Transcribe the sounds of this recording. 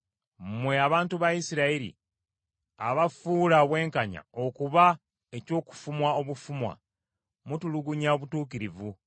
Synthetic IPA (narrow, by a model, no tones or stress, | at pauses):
mwe̞aβaːntuβajisiɾaiɾḭ | aβafuːlaβwe̞ːŋkaɲa̰o̞kuβa | e̞co̞ːku̥fumwao̞βufumwa̰ | mutuluɡuɲaoβutuːkiɾivu